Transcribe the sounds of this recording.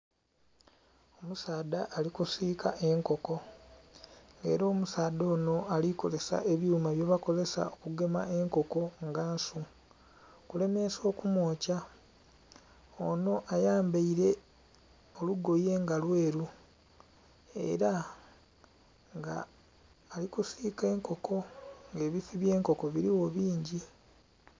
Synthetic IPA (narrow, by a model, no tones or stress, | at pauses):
omusaːd̪aʔːlikusiːkaʔe̞ŋko̞ko̞ | ŋɡe̞̰ːɾoːmusaːdo̞ːno̞aliko̞ze̞sa̰ʔe̞βjuːmaβjoβako̞ze̞sa̰okuɡe̞ma̰e̞ŋko̞ko̞ŋɡaːnsu | kule̞me̞so̞ːkumwo̞ːca | ono̞ʔajaːmbaiɾe̞ | o̞luɡo̞je̞ːŋɡalwe̞ːɾu | e̞̰ɾa | ŋɡa̰ː | likusiːke̞ːŋko̞kʰo̞ŋɡe̞ːβifiβje̞ːŋko̞ko̞βiɾiwo̞βiːɲɟi